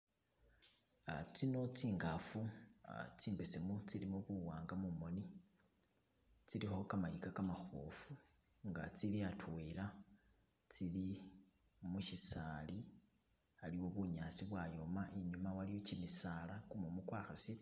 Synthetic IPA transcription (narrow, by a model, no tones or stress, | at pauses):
t͡sino̞t͡siːŋɡafu | t͡siːmbisimut͡silimuβuwaːŋɡamumo̞ni | t͡silixo̞kamajikakamaxuo̰fu | ŋɡa̰t͡siliatʰuwela | t͡sili | muʃisali | aliwo̞βuɲasiβwajo̞maʔeɲumawalijocimisalakumumukwaːxasi